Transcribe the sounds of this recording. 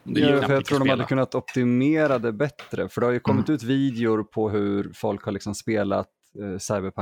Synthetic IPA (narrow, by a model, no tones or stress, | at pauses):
d̪ɛfœjat̪ʰɾuːɖ̪ɔmhad̪ːəkʰɵnːat̪ɔp̚t̪ɪmeːɾad̪ɛbɛt̪ɾəfœɖɛhajɵkʰɔmːɪt̪ʉ̟ːt̪viːd̪ɛʊɾpʰɔɦɵɾfɔlkhalɭɪksɔmspeːla̰t̪ | saɪbəɾpʰa